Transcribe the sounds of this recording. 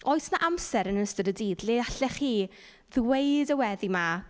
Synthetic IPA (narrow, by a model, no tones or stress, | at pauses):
oːɨsnaʔamsɛɾənəstədədiːdlɪaɬɛχiː | ðwejdəwɛðima